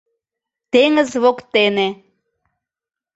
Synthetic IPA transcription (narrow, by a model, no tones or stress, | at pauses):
t̪eŋə̆zβokt̪ene